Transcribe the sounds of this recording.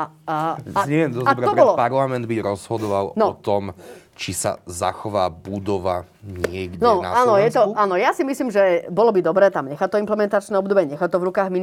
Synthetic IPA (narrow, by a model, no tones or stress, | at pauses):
a | ɲɛʋjɛmd̪ɔabɾɔɾɛɔlɔpaɾlamɛnd̪̚biɟɾɔzɦɔd̪ɔʋalnɔɔt̪ɔm | t͡ʃisa̰za̰xɔʋaːbud̪ɔʋa | ɲɪɛɡɟnɛɔnaanɔjɛt̪ɔanɔjasimisliːmʒɛbɔlɔbid̪ɔbɾɛːt̪amɲɛxat̪ɔimplɛmɛnt̪at͡ʃnɛɔbd̪ɔbɪɛɲɛxat̪ɔvɾukaːɣmi